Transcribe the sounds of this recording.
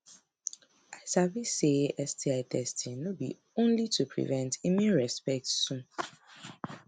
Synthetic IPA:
aɪsaviseɛstʰiaɪtʰɛstʰĩnõbḭ | õnlitʰupʰɹḭvɛ̃ntʰimĩnɹɛspɛk̚tsũ

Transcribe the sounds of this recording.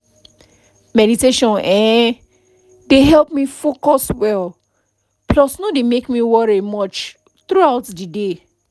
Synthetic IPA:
mɛɾiteʃɔ̃nɛ̃ | deɦɛlˠp̚mifokɔswɛl | plɔsnodemekmiwɔɹimɔt͡ʃ | t̪ɹuaʊtdide

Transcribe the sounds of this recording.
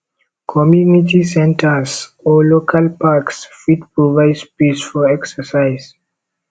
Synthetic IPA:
kʰɔmjuniʈisɛ̃nʈʰəsɔloːkʰalpaksfiʈpɾɔvaɪspisfɔɛksəsaɪz

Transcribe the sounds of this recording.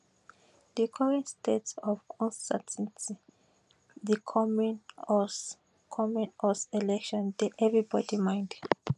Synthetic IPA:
dikʰɔɹɛ̃ntstʰetsɔvkʰɔ̃nstatʰɛ̃nti | ðikʰɔmnɔs | kʰɔmɔ̃nɔsɛlɛkʃɔ̃ndɛʔɛvɹibɔdimãj̃nd

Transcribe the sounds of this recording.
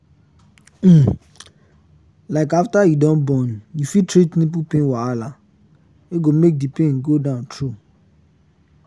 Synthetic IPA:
laɪkaftajudɔ̃nbɔ̃njufitɾitnĩp̬upẽnwaala | eɡomek̚dipẽnɡodãʊ̃ntʰɹu

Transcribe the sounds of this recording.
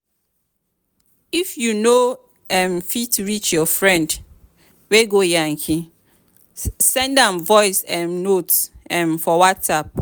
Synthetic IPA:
ifjuno | ɛ̃mfitɹit͡ʃjɔfɹɛ̃nd | weɡojãŋkʰi | sɛ̃ndãmvɔɪsɛ̃nnotsɛ̃nfɔwatsap̚

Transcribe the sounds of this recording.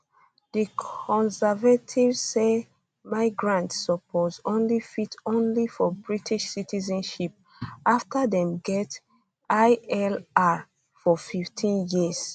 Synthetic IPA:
dikʰɔ̃nsɛvatʰivzse | maɪɡɹãntsɔpʰozõnlifitõnlifɔbɹitʰiʃsitʰizɔ̃nʃip̚ | aftʰadɛ̃mɡɛt | aɪɛla | fɔfiftʰĩnjiz̥

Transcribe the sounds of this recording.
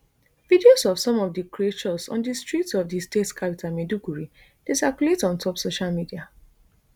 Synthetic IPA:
vidiosɔfsɔ̃mɔvdikɹiet͡ʃɔsɔ̃ndistɹitsɔvdistetkʰapitʰalmedukuɹi | d̥esɛkuletɔ̃ntʰɔpsoʃalmidia

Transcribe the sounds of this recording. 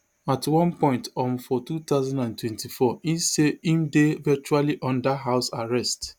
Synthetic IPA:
atwɔ̃npɔ̃ɪ̃ntɔ̃m̩fɔtutaʊzãndãntwɛ̃ntifɔiseĩmdevɛt͡ʃualiʔɔ̃ndaɦaʊsaɹɛst

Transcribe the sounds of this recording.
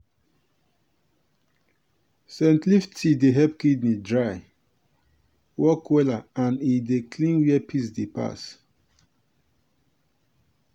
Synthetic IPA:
sɛ̃ntliftʰideɦɛpkidnidɹaj | wʔɔkwɛlaãnidekʰlĩnwiɛpʰis̬depa̰s

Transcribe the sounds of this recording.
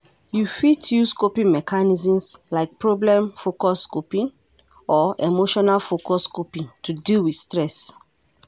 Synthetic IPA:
jufitʰjuskopĩnmɛkʰanizĩmslaɪk̚pɹɔblɛ̃mfokɔskupĩn | ɔemoʃɔnalfokɔskupĩntʰudilwidstɹɛs

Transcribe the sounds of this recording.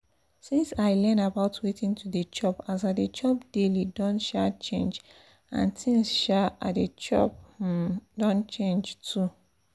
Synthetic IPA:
sĩnsaɪlɛnabaʊtʰwetĩntʰudət͡ʃɔpas̬adet͡ʃɔp̚d̥elidɔ̃nʃat͡ʃẽnd͡ʒ | ã̰nsĩnsʃaa̰det͡ʃɔ̰p̚ | dɔ̃nt͡ʃẽnd͡ʒtʰu

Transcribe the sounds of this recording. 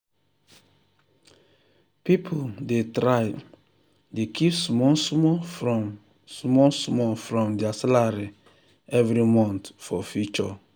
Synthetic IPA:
pipʰodetɾaj | dekʰipsmɔsmɔfɔ | smɔsmɔfɹɔ̃mdɛasɛlaɹi | ɛvɾimɔ̃ntfɔfjut͡ʃɔ

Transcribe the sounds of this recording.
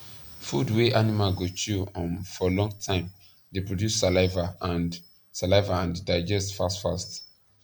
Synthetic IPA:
fudweʔanimalɡot͡ʃuɔ̃nfɔlɔ̃ŋɡtʰãɪ̃m | depɹodjusːalaɪvaãn | salaɪvaãndaɪd͡ʒɛstfastfast

